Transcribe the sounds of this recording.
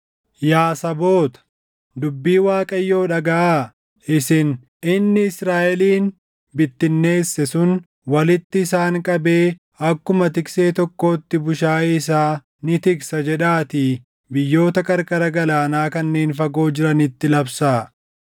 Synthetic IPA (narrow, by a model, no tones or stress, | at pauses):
jaːsɐbo̞ːt̪ɐ̥ | d̪ʊbːiːwaːkʼɐjːo̞ːᶑɐɡɐʔaː | ʔɪsɪn | ɪnːɪɪsɾaːʔɛliːn | bɪt̪ːɪnːe̞ːsːɛsʊn | wɐlɪt̪ːɪːsaːŋkʼɐbe̞ː | ɐkːʊmɐt̪ɪkse̞ːt̪ɔkːo̞ːt̪ːɪbʊʃaːɪs̬aː | nɪt̪ɪksɐd͡ʒɛᶑaːt̪iː | bɪjːo̞ːt̪ɐkʼɐɾkʼɐɾɐɡɐlaːnaːkɐnːe̞ːnfɐɡo̞ːd͡ʒɪɾɐnɪt̪ːɪlɐbsaː